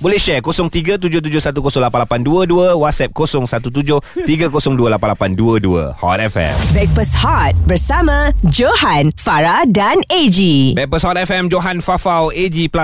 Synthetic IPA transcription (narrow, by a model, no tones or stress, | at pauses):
bolɛhʃɛrkosɔŋt̪iɡat̪ud͡ʒʊt̪̬ud͡ʒʊhsat̪̬ukosɔŋlapanlapanduəduəwat̪̚sɛp̚kosɔŋsat̪ut̪̬ud͡ʒʊht̪iɡakosɔŋduəlapanlapanduəduə̰hɔ̰t̪̚ɛfɛ̰mbɛk̚pəshɔt̪̚bərsamãd͡ʒohanfaɾadaned͡ʒibɛk̚pəshɔt̪̚ɛfɛmd͡ʒoɦanfafawed͡ʒipla